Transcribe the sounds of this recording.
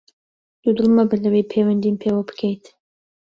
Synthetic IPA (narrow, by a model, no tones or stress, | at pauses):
d̪̥ud̪ɨlˠmɐbɨlɐwejpʰejwɐnd̪inpʰeːwabɨ̥kʰejt̪